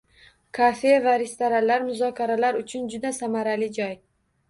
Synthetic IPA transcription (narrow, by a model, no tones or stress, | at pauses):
kʰafe̞vaɾest̪aɾanlaɾmʊzɒkʲʰaɾalaɾʊt͡ʃʰʊnd͡ʒʊd̪asamaɾalɪd͡ʒɒj